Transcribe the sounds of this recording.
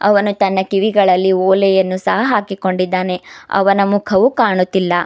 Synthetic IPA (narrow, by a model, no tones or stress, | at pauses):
ɐ̰ʋɐnut̪ɐnːɐkiʋiɡɐɭɐlːioːlɛjɐnːusɐɦɐɦaːkiko̞ɳɖid̪ːaːne̞ɐ̰ʋɐnɐmukʰɐʋukaːɳut̪ːilːɐ